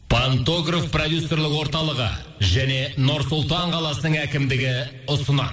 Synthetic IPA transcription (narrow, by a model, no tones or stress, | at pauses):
pʰant̪o̞ɡrofprod̪ʲjusːo̞rlɪkwo̞ɾt̪ɑlˠəʁə̰ | ʒæne̞nʊɾsʊlˠt̪ɑɴqʰɑlˠɑsənəɴækʲɪmd̪ɪɡʲɪ | ʊsənə̰